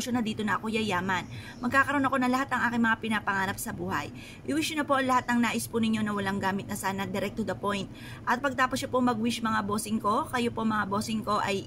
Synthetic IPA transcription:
ʃonɐd̪iːt̪o̞nɐʔɐko̞jɐjaːmɐn | mɐɡ̚kːaːkɐɾo̞nɐko̞nɐŋlɐhat̪ɐŋʔaːkɪŋmɐŋapɪnapɐŋaːɾɐp̚sɐbuːhɐ̰j | ʔɪwiʃʊnɐpo̞ʔɐŋlɐhat̪̚nɐŋnaːʔɪspunɪɲːo̞nɐwɐlaŋɡaːmɪt̪nɐsaːnɐd̪ɛɾɛk̚t̪ʊd̪ɐpo̞jnt̪̚ | ʔɐt̪̚pɐɡ̚t̪aːposːɐpoŋmɐɡwɪʃmɐŋabo̞ːsɪŋko̞kɐjopo̞mɐŋabo̞ːsɪŋko̞ʔɐj

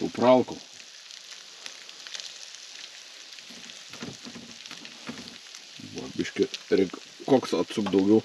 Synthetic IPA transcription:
ɛ̰ʊpɾɐlˠkɐ | ʋɐ̰bʲɪʃʲkʲɪɾʲɛɪk | koːksɐt̪sʊkd̪ɐʊɡʲɛʊ

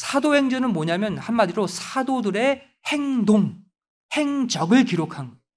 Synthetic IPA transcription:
sʰadohe̞ŋd͡ʑʌnɯnmoɲamjʌnhanmadiɾosʰadodɯɾe̞ | he̞ŋdoŋ | he̞ŋd͡ʑʌɡɯɭkiɾokʰanɡʌ

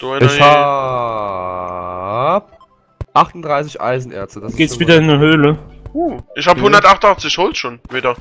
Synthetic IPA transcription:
d̥uɪçha | b | ʔaχtʊndʁaɪsɪçʔa̰ɪzn̩ʔɛ̰ɐt͡stəd̥asɡ̥eːtsviːdɐɪnːəhøːləuːʔɪçhaːbəhʊndɐtʔaχtnaχt͡sɪçhoːlʃoːnviːdɐ

